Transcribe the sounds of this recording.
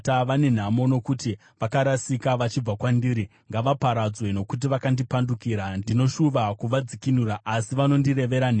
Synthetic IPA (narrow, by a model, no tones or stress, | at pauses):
aʋane̞n̤amo̞no̞kuti | ʋakaɾasikaʋat͡ʃib͡vakwandiːɾi | ŋɡaʋapaɾad͡zwe̞no̞kut̬iʋakandipandukiɾandino̞ʃuʋakuʋad͡zikinuɾaʔːsiʋano̞ndire̞ʋe̞ɾane